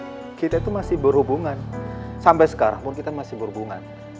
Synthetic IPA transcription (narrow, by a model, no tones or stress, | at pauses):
kit̪ait̪umasɪhbərhubuŋansampajsə̥kaɾa̰ŋpʊnkit̪amasɪhbərubuŋa̰n